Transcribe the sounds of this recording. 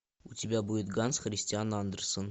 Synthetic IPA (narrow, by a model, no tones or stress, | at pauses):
ut̪ʲibʲæbujət̪ɡɑnsχrʲɪsʲtʲianɑnd̪ɤ̆rsɤn